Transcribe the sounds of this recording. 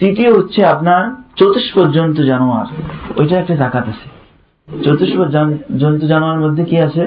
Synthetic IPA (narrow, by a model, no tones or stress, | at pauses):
t̪it̪ioɦut̪ːɕʰeapnaɾt͡ɕot̪ːiʃpoɾd͡ʑont̪̬od͡ʑanoa̰ɾojʈaɛk̚ʈadakat̪at͡ɕʰe̥ | t͡ɕot̪ːiʃpoɾd͡ʑad͡ʑont̪̬od͡ʑanoaɾmod̪ʱːekiat͡ɕʰe